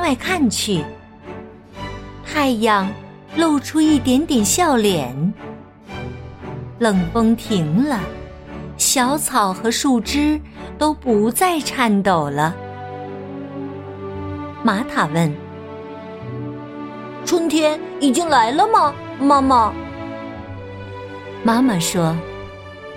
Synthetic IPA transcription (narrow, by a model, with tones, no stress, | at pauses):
wa˥˧ɪkʰa˥˩nt͡ɕʰy˨˩ | t̪ʰa˥˩ɪjɑ˥˩ŋ | lo˥˩ʊʈ͡ʂʰu˥i˥˩t̪jɛ˧˥nt̪jɛ˨˩nɕjɑ˥˩ʊljɛ˨˩n | lɤ˨˩ŋfɤ˥ŋt̪ʰi˧˥ŋlə˧ | ɕjɑ˧˥ʊt͡sʰɑ˨˩ʊxɤ˧˥ʂu˥˩ʈ͡ʂɻ̩˥t̪o˥ʊpu˧˥t͡sa˥˧ɪʈ͡ʂʰa˥˩nt̪o˨˩ʊlə˦ | ma˧˥t̪ʰa˨˩wə˥˩n | ʈ͡ʂʰwə˥nt̪ʰjɛ˥n | i˨˩t͡ɕi˥ŋla˧˥ɪlə˧mə˨ | ma˥ma˨ | ma˥ma˨ʂwɔ˥